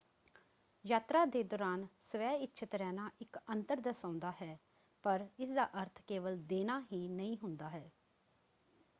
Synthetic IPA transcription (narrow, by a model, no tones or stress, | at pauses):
jaːt̪ɾaːd̪eːd̪ɔːɾaːnsəʋɛːɪtːʃʰət̪ɾɛːnaːʔɪkənt̪əɾd̪əsãːʊ̃nd̪aːɦɛː | pəɾɪsd̪a̰ːʔəɾt̪ʰkeːʋəld̪eːnaːɦiːnəĩːɦʊnd̪aːɦɛː